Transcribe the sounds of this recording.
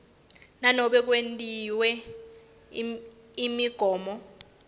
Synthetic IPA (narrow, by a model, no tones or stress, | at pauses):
nanɔɓɛk̬wentʼiwɛ | imiɡ̥ʱɔːmɔ